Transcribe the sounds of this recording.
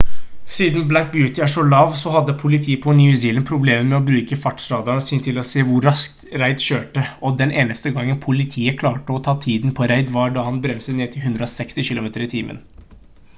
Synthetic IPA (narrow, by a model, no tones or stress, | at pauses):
siːd̪nblæŋk̚bjʉːt̪ɪæʂɔlɑːʋsɔɦɑd̪ːəpʰʊlɪt̪ʰiːəpʰɔnʏʉsiːlənpʰɾʊbleːməmɛɔbɾʉːkəfɑʈsɾɑːd̪ɑnsɪːnt̪ʰɪlɔseːʋʊɾɑskt̪ɾæɪd̪ɕøːʈəɔd̪ɛnʔeːnəst̪əɡɑŋːənpʰʊlɪt̪ʰiːəkʰlɑːʈəɔt̪ʰɑːt̪ʰiːd̪npʰɔɾæɪd̪ʋɑɖɑhɑnbɾɛmsəneːt̪ʰɪlhʉnd̪ɾəɔsɛkst̪ɪɕɪlʊmeːt̪əɾɪt̪ʰiːmʔə̰n